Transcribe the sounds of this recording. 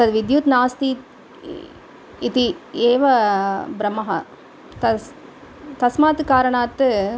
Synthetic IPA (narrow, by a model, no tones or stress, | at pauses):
t̪ɐd̪ʋɪd̪juːt̪naːst̪i | t̪ieːʋɐbɾɐmːɐɦɐ | t̪ɐ | t̪ɐsmaːt̪ɯkaːɾɐɳaːt̪ːɯ